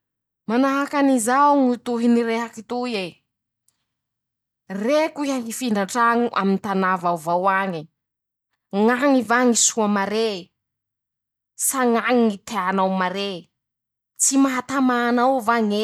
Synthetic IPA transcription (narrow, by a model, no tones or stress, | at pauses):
manaɦakanizawŋit̪uɦiniɾeɦakit̪uje | rekuiaŋifiɳɖ͡ʐaɳʈ͡ʂaŋuʔa̰mint̪anavawvawaŋi | ŋaŋivaŋisuamaɾe | saŋaŋinit̪eanawmaɾe | t͡simaɦat̪amaːnawvaŋe